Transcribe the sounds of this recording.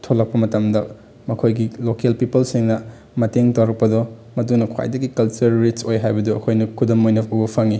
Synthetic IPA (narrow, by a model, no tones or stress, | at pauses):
tʰolɐk̚pɐmɐtɐmdɐ | mɐkʰojɡilokelpipɐlsiŋnɐ | mɐteŋtɐwɾɐk̚pɐdɔmɐtunɐkʰwa̰jdɐɡikɐlt͡ʃɐɾːit͡ʃojɦajbɐduɐkʰojnɐkʰudɐmojnɐubɐpʰɐŋi